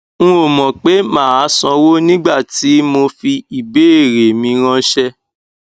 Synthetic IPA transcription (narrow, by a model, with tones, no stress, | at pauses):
ŋ̩̃˦o˨mɔ̃˨k͡pe˨˦mãː˦˨a˨˦sɔ̃˧˦wo˦nĩ˦ɡ͡ba˦˨ti˨˦mo˧fi˧i˨be˦˨ɾe˨mĩ˧ɾ̃ã˧ʃɛ˦